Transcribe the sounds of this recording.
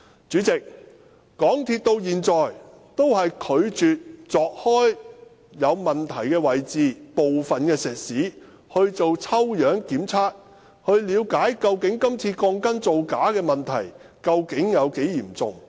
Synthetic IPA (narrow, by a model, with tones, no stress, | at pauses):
t͡syː˨˥t͡sɪ˨k̚ | kɔː˨˥ŋt̪ʰiː˧t̚t̪o˧wjiː˨nt͡sɔː˨j | t̪o˥whɐ˨jkʰɵ˨˧ɥt͡syː˨t̚t͡sɔː˨˧k̚hɔː˥j | jɐ˨˧wmɐ˨nt̪ʰɐ˨˩jkɛː˧wɐ˨˩jt͡siː˨po˨wfɐ˨nkɛː˧sɛː˨˩t̚siː˨˥ | hɵ˧ɥt͡so˨wt͡sʰɐ˥wjœː˨˥ŋkiː˨˥mt͡sʰaː˥t̚ | hɵ˧ɥliː˨˧˥wkaː˨˥jkɐ˧wkɪ˨˥ŋkɐ˥mt͡sʰiː˧kɔː˧ŋkɐ˥nt͡so˨wkaː˨˥kɛː˧mɐ˨˩nt̪ʰɐ˨˩j | kɐ˧wkɪ˨˥ŋjɐ˨˧wke˨˥jjiː˨˩mt͡sʊ̰˨ŋ